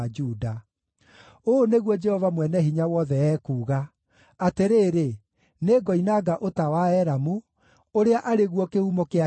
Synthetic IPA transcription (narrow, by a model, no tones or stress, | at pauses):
d͡ʒuːda | oneɣwɔd͡ʒɛhɔvamwɛnɛɦiɲawɔðɛɛːkuːɣa | ateɾeːɾe | neːɡɔinaːɡaʔotawaɛɾamu | oɾeaʔaɾeɣwɔkehumɔkea